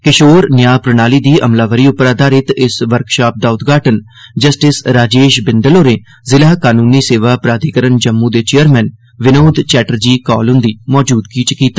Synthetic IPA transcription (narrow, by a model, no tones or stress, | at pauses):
kɪʃoːɾnjaːpɾənaːliːd̪iːʔəmlaːʋəɾiːʊpɾaːd̪aːɾɪt̪ɪsʋəɾkʃaːp̚d̪aːʊt̪ɡʱaːʈən | d͡ʒəsʈɪsɾaːd͡ʒeːʃbɪnd̪əloːɾẽː | zɪlaːkaːnuːniːseːʋaːpɾaːd̪ʱikəɾənd͡ʒəmːũːd̪eːt͡ʃejəɾmɛ̃ːn | ʋɪnoːd̪t͡ʃɛːʈəɾd͡ʒiːkɔ̰ːlɦʊ̃nd̪iːmɔːd͡ʒuːd̪kiːt͡ʃkiːt̪ḁː